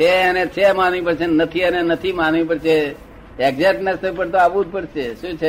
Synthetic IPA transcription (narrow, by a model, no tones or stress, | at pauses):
eənet͡ʃʰemanʋĩpəɾt͡ʃʰenət̪ʰiənenət̪ʰimanʋĩpəɽt͡ʃʰe | ɛɡzeʈnəsnəpəɽt̪oaʋũd͡ʒpəɽt͡ʃʰeʃũt͡ʃʰe